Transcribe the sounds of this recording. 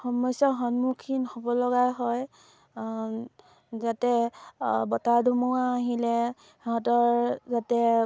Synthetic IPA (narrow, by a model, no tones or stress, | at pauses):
xɔmɔsɔɦɔnmukʰinhobɔlɔɡajɦɔj | zatɛ | bɔtaɹdʱumɔwaːɦilɛ | hɦɔtɔɹzatɛ